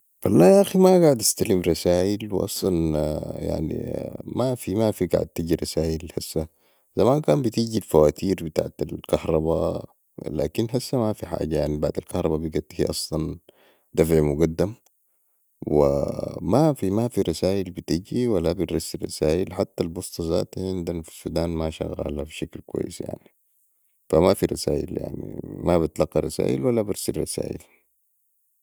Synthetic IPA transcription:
walːaːʔaximaɡaʕd̪ast̪alimɾˤɑsaːʔilwʔɑ̰sˤlɑnja̰ʕnḭmafimafiɡa̰ʕ̰d̪̚t̪iɟiɾˤɑsaːʔilhasːa | zamaːnkaːmbit̪iːɟilfawaːt̪ʰiːɾbit̪a̰ːʕt̪alkahɾˤɑba | la̰ːkinɦasːamafiħa̰ːɟajaʕnibaʕd̪alkɑhɾˤɑbabiɡat̪ːhḭʔɑsˤlɑn | d̪afʕimuɡad̪ːam | wḭmafimafiɾˤɑsaːʔilbit̪iɟiwalːabinɾɑsːirˤːɑ̰saːʔilħat̪ːalbost̪ˤɑza̰ːt̪ʕind̪anfi̥sud̪aːnmaʃa̰ɣa̰lafiʃaklkwa̰jːḭsja̰ʕni | famafiɾˤɑsaːʔḭlja̰ʕnḭmabit̪lɑqːiɾˤɑsa̰ːʔḭlwalːabiɾsilrˤɑsa̰ːʔḭl

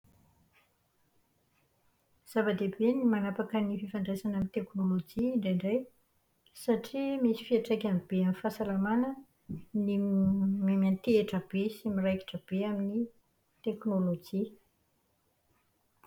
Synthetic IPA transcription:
z̥avad̪ebenimanapakənififaɳɖ͡ʐesanamint̪eknolod͡ʒiːɳɖ͡ʐeɳɖ͡ʐej | saʈ͡ʂimisi̥fiaʈ͡ʂekʲamib̥eamifasalamanə | nimemant̪ieʈ͡ʂəb̥esimirajki̥ʈ͡ʂəb̥eamini | t̪eknolod͡ʒi

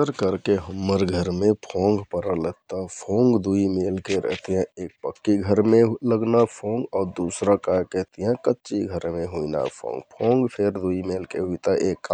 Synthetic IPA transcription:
əɾkəɾkeɦəmːəɾɡʱəɾmepʰoŋɡpəɾələt̪əpʰoŋɡd̪uimelkeɾə̰ɦt̪ijãek̚pəkːiɡʱəɾmeɦləɡnapʰõŋɡɔːɾd̪usɾakakəɦt̪ijãkətːʃiɡʱəɾmeɦuina̰pʰõ̰ŋɡpʰõŋɡpʰeɾd̪uimelkeɦuit̪aʔekːa

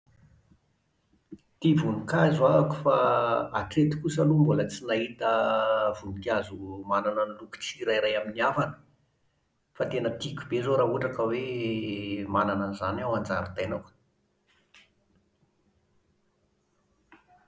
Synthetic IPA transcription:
t̪ivunikazuaaku̥faa̰ʈ͡ʂet̪i̥kusalumbolət͡sinaɦit̪əv̥unikazumananəniluku̥t͡siɾajɾajaminiavanə̥ | fat̪enət̪ikʲubezoɾaːɦuʈ͡ʂakəwe | mananənzanawand͡za̰ɾut̪ajnak

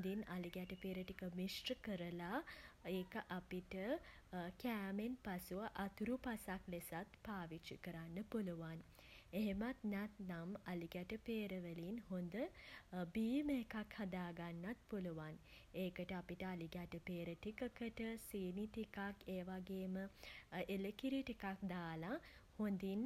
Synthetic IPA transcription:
d̪inaliɡæʈəpeːɾəʈikəmisʈəkəɾəlaeːkəʔapiʈə | kæːmenpasuʋəʔat̪uɾupasaklesat̪paːʋit͡ʃikəɾanːəpuluʋan | eɦemat̪næt̪namaliɡæʈəpeːɾəʋəliːnhond̪əbiːmekakhad̪aːɡanːat̪̚puluʋan | eːkəʈəapiʈəaliɡæʈəpeːɾəʈikəkəʈəsiːniʈikakeːʋaɡeːməʔeləkiɾiʈikak̚d̪aːlahond̪in

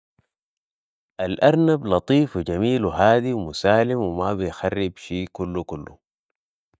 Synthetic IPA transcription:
ʔalʔaɾˤnablɑt̪ˤiːfwid͡ʒamiːlwɦaːd̪iwmusaːlimwimabijxarːibʃiːkulːukulːṵ

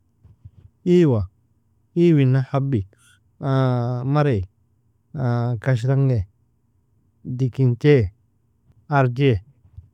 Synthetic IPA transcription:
iwa | iwinːahabi | ãmaɾej | akaʃ̬ɾaŋɡe | dikinte | aɾd͡ʒe

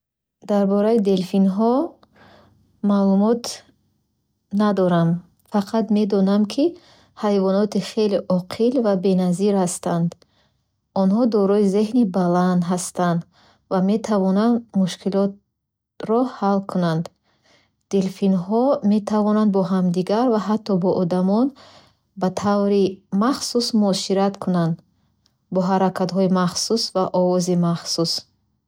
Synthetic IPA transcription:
d̪aɾbɔɾaid̪e̞lfinɦɔ | malumɔt̪ | nad̪ɔɾam | faqʰat̪me̞d̪ɔnamkʰi | hajvɔnɔt̪ʰiχe̞liʔɔqʰilvabe̞naziɾhast̪and̪ | ɔnhɔd̪ɔɾɔizeɦnibaland̪ɦast̪and̪ | vame̞t̪ʰavɔnand̪muʃkʰilɔt̪̚ | ɾɔhalkʰunand̪ | d̪̥elfinɦɔme̞t̪ʰavɔnand̪bɔɦamd̪iɡaɾvaɦat̪ʰːɔbɔʔɔd̪amɔn | bat̪ʰavɾimaχsusmuɔʃiɾat̪kʰunand̪ | bɔɦaɾakʰat̪ɦɔimaχsusvaʔɔvɔzimaχsus

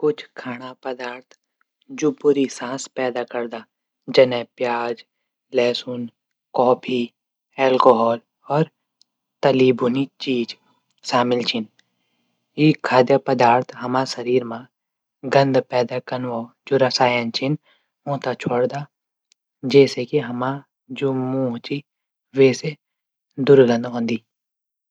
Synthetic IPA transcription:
kʊt͡ʃʰkʰaːɽ̃apɐd̪aːɾt̪ʰ | d͡ʒuːpʊɾisãːspɛːd̪akɐɾd̪aː | d͡ʒɐnɛ̃pjaːd͡ʒ | lɛːsun | kɔːpʰi | ɛːlkoːɦɔːl | ɔːɾ | t̪ɐliːbunit͡ʃiːd͡ʒ | ʃaːmɪlt͡ʃʰɪn | jiːkʰːaːd̪jəpəd̪aːɾt̪ʰɦɐmãsɐɾiːɾmã | ɡə̃nd̪pɛːd̪akənʋaː | d͡ʒoɾɐsaːjənt͡ʃɪn | õːt̪at͡ʃʰoːɽd̪a | d͡ʒɛːsekiɦɐma | d͡ʒoːmũːt͡ʃi | ʋɛːse | d̪ʊɾɡə̃nd̪ɦõːnd̪iː

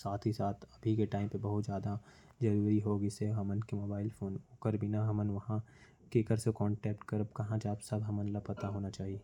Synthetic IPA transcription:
saːt̪ʰɦisaːt̪ʰɐbʱikeʈaːɪ̃mpebɐɦʊt̪zjaːd̪a | zɐɾuːɾiɦoɡɪseɦɐmənkemoːbaːɪlfʰoːnokəɾbʱinaɦɐmənʋɐɦã | kekəɾsekɔ̃ːɳʈɛːp̚ʈkɐɾəb̚kɐɦãd͡ʒabsɐbɦɐmənlɐpɐt̪aɦoːnat͡ʃaːɦie

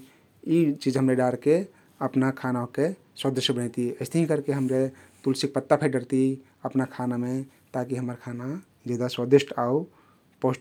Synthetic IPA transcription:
it͡ʃid͡ʒɦəmɾeɖaɾke | əpnakʰanaɦoke | swəd̪əʃjəbəñɛt̪iəɪst̪eɦĩkəɾkeɦəmɾet̪ulsik̚pət̪ːapʰəɖəɾt̪i | əpnakʰanamẽ | t̪akiɦəməɾkʰana | d͡ʒed̪aswəd̪isʈʰau | posʈ

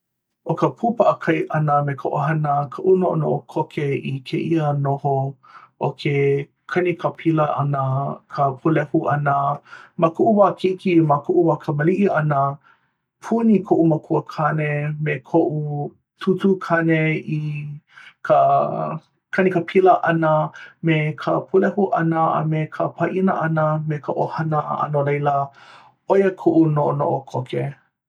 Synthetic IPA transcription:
ʔokəpʰupɐʔəkʰɐjʔɐnəmekʰoʔoɦɐnəkʰəʔunoʔo̰no̰ʔokʰokʰeikʰeʔiənoho | ʔokʰe | kʰɐnikʰəpʰiləʔɐnəkʰəpʰulɛhuʔɐnəmakuʔuwakʰiikimakuʔuwakʰəməliʔiʔɐnə | pʰunikʰoʔuməkʰuəkʰɐnemekʰoʔu | tʰutukʰɐnei | kʰə | kʰɐnikəpʰiləʔɐnəmekʰəpʰulɛhuʔɐnəɐ̰mekʰəpʰɐʔinəʔɐnəmekʰəʔohɐnə̰ɐ̰nolejlə | ojəkʰoʔunoʔono̰ʔokʰokʰe

